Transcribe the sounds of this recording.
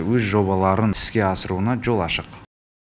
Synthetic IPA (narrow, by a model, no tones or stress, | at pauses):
wɵzʒo̞βɑlˠɑɾənɪ̥skʲe̞ɑsəɾuənɑʒo̞lˠɑʃəq